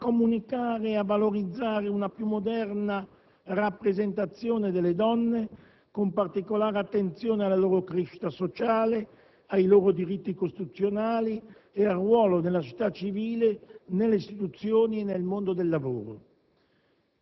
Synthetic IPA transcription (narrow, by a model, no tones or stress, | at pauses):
komunikaːɾeavaloɾid̪zːaːɾeunapjumːod̪ɛrna | rapːɾezent̪at̪sːjoːned̪elːed̪ɔnːe | kompart̪ikolaːɾeat̪ːent̪sjoːnealːaloːɾokɾeʃi̥t̪asot͡ʃaːle | ajloːɾod̪iɾit̪ːikost̪it̪ut̪sːjonaːli | earwɔːlonelːat͡ʃi̥t̪ːat͡ʃːiviːlenelːeist̪it̪ut̪sːjoːnienelmond̪od̪elːavo̰ːɾo̰